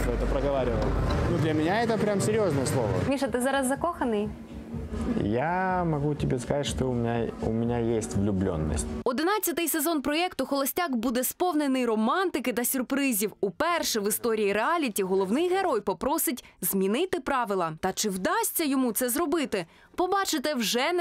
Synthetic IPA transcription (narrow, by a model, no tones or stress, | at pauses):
t̪ɔɛt̪əpɾəɣɐʋaɾʲɪʋə̰lʲˠnud̪lʲɐmʲɪnʲaɛt̪əpɾʲamsʲɪɾʲjoznəjəslˠo̰ʋə̰mʲiʃɐt̪ɪzɑɾɐzːɐkɔxɐnɪj | jamɐɡutʲɪbʲeskɐzatʲʂt̪oʊmʲɪnʲaʊ̰mʲɪnʲajesʲtʲvlʲʊblʲo̰nːə̰sʲtʲɔd̪ɪnɑt͡sʲːɐt̪ɪjsezɔnpɾɔɛkt̪ʊxɔlˠɔsʲtʲakbud̪ɛspɔwnenɪjrɔmɑnt̪ɪkɪt̪ɐsʲʊrpɾɪzʲiwupɛrʃɛʋɪst̪ɔɾʲijiɾeɑlʲitʲiɦɔlˠɔwnɪjɦeɾɔjpɔpɾɔsɪtʲzmʲinɪt̪ɪpɾɑʋɪlˠɐt̪ɐt͡ʃɪwd̪ɑsʲt͡sʲːɐjɔmut̪sɛzrɔbɪt̪ɪ | pɔbɑt͡ʃɪt̪ɛwʒɛ